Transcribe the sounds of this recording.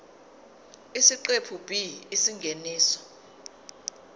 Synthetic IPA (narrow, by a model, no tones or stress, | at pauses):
isiǃepʰub̥ʱiːsiŋɡʱeniːsɔ̥